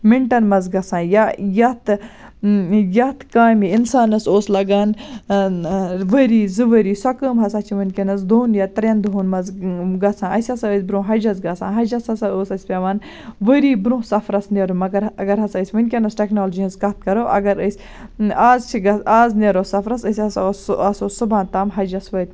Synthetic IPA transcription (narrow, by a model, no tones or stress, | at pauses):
miɳʈɐnmɐzɡɐsãːjɐjɐt̪ | jɐt̪ʰkaːmiinsaːnɐsoːslɐɡaːn | ʋəɾiːzɨʋəɾiːsɐkəmɦɐsaːt͡ʃʰiʋɐnkenɐsd̪ʱoːnjɐt̪ɾend̪ʱoːnmɐzɡɐt͡sʰãːɐsʲɐsɐəsʲbɾõːɦɐd͡ʒɐzɡɐsã̰ːɦɐd͡ʒɐsɐsɐoːsɐsʲpʲeʋɐːn | ʋəɾiːbɾõːsɐfɾɐsneɾumɐɡɐɾɐɡɐɾɦɐsəsʲʋɐnʲkʲenɐsʈeknoːld͡ʒiɐzkɐt̪̚kɐɾoːʔɐ̰ɡɐɾəsʲ | aːzt͡ʃʰiɡɐaːzneɾosɐfɾɐsəsʲɐsɐsoːsɨbãːnt̪aːmɦɐd͡ʒɐsʋɐt̪̚ʲ